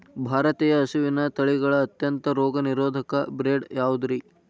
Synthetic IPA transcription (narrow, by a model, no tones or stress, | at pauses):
bʱaːɾɐt̪iːjɐːsuʋinɐt̪ɐɭiɡɐɭɐːt̪jɐnt̪ɐɾɔːɡɐniɾoːd̪ʱɐkɐbɾeːɖjaːʋud̪ɾi